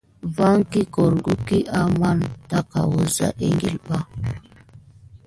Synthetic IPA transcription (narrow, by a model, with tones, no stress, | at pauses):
va˦ŋki˦kɔ˨ɾɡu˦ki˦ʔa˦ma˦nta˦ka̰˨wo˨za̰˦ʔe˦ŋɡe˦lɓa˦